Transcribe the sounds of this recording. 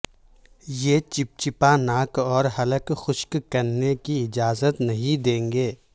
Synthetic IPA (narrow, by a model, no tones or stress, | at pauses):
jet͡ʃɪp̚t͡ʃɪpanaːkɔːɾɦɐləkxʊʃkkɐɾnekiɪd͡ʒaːzət̪nɐɦĩd̪ẽːŋɡeː